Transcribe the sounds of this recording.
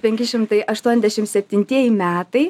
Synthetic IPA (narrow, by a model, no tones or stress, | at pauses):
pʲɛŋʲkʲɪʃʲɪmt̪ɐɪʔɐʃt̪uɔnʲɛzd̪ʲɛʃʲɪmsʲɛpʲt̪ʲɪnʲt̪ʲiɛjɪmʲæːt̪ɐɪ